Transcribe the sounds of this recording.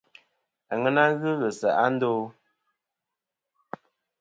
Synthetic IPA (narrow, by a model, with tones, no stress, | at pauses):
a˨ŋə˦na˦ɣɨ˦ɣə˨sa˨ʔa˦n̩˦doː˦